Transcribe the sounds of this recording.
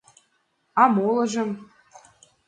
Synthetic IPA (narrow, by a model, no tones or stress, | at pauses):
ɑmolˠɤ̆ʒɤ̆m